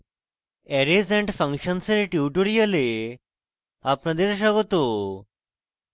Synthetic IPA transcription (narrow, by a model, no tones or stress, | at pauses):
ɛɾed͡zɛ̃ɳʈfə̃ŋkɕənsəɾeʈuʈoɾiəle | apɳad̪eɾɕ̬aɡot̪o